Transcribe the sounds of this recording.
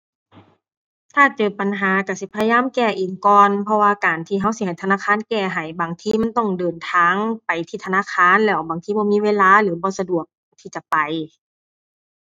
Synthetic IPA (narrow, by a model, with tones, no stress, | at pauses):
t̪ʰaː˧˩t͡ɕɤː˨˩pa˨˩nɦaː˨˦ka˧˩si˧˦pʰa˧jaː˧˥˨mkɛː˧˩ʔiː˨˩ŋkɔː˨npʰɔ˧waː˧kaː˨˩nt̪ʰiː˧˩ɦa˧˥˨wsi˧˦ha˨˩jt̪ʰa˧naː˧˥˨kʰaː˧˥˨nkɛː˧˩ɦa˨˩jbaː˨˩ŋt̪ʰiː˧˨ma˧˥˨nt̪ɔ˧˩ŋdɤː˨nt̪ʰaː˧˦ŋpa˨˩jt̪ʰiː˧˩t̪ʰa˧naː˧˥˨kʰaː˧˥˨nlɛː˧˩wbaː˨˩ŋt̪ʰiː˧˩bɔː˧˦mi˧˥˨weː˧˥˨laː˧˨lɯː˨˦bɔː˧˦sa˧du˨˩ək̚ | t̪ʰiː˧˩t͡ɕa˨˩˨pa˨˩j